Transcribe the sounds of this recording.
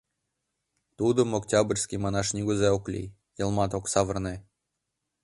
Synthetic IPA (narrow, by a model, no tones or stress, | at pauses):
t̪ud̪ə̆moktʲabrʲsʲkʲimɑnɑʃnʲiɡuzɑoklʲḭ | jɤ̆lˠmɑt̪oksɑvɤ̆rne